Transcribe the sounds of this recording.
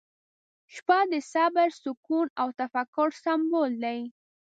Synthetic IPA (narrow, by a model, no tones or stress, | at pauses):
ʃpad̪əsabaɾsʊkunawt̪afakːʊɾsambold̪aj